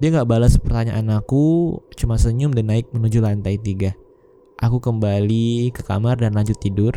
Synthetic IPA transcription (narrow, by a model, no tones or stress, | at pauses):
diaŋɡaʔbalaspərt̪aɲa̰ʔanakut͡ʃumasəɲʊmdanːaɪk̚mənud͡ʒulant̪ait̪iɡa | ʔakukəmbalikəka̰mardanlaɲd͡ʒʊt̪ːidʊr